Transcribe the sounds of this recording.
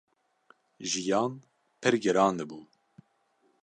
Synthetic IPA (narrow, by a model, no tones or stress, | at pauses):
ʒijɑːn | pʰɨɾɡɛɾɑːnd̪ɨbuː